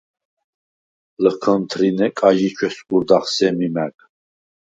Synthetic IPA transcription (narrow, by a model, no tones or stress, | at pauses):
ləkʰənt̪ʰɾinɛkʼaʒit͡ʃʰwɛsɡuɾd̪aχsɛmimæk